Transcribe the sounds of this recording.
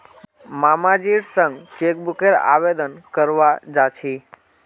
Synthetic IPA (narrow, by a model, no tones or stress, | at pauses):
mamad͡ʒiɽsəŋɡt͡ʃek̚bukeɾa̰ʋed̪ənkəɾʋad͡ʒat͡ʃʰi